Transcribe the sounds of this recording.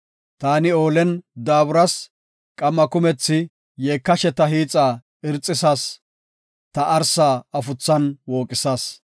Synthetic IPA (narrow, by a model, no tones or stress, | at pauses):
t̪aːnɪo̞ːlɛnd̪aːbʊɾɐs | kʼɐmːɐkʊmɛt͡sːɪ | jeːkːɐʃɛt̪ɐɦiːt͡sʼːaː | ɪɾt͡sʼːɪsaːs | t̪ɐʔɐɾsaːɐfʊt͡sːɐnwo̞ːkʼɪsaːs